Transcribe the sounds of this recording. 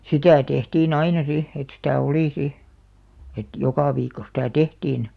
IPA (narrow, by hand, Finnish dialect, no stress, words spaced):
sitæˑ tehtiːn ɑinɑ si et sitæˑ oliˑ si et jokɑˑ ʋiːkːo sitæˑ tehtiːn